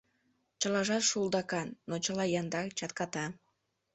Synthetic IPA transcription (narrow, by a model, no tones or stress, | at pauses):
t͡ɕəlɑʒɑt̪ʃulˠd̪ɑkɑnːot͡ɕəlɑjɑnd̪ɑkt͡ɕɑt̪kɑt̪ɑ